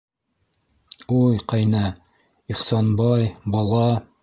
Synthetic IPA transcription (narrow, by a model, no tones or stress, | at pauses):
ujqɑjnɑ | iχsɑnbɑjbɑlˠɑ